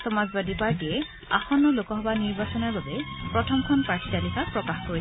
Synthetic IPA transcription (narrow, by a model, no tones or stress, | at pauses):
sɔmazbadipaɹkiɛ | a̰xɔnːɔlokɔɦɔbaniɹbasɔnaɹbabɛpɹɔtʰɔmkʰɔnpaɹtitalikʰapɹɔkaxko